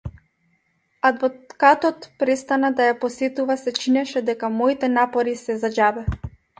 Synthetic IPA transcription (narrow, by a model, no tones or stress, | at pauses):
ad̪vɔkat̪ɔt̪pɾɛst̪anad̪ajapɔsɛt̪uvasɛt͡ʃinɛʃɛd̪ɛkamɔit̪ɛnapɔɾisɛzad͡ʒabɛ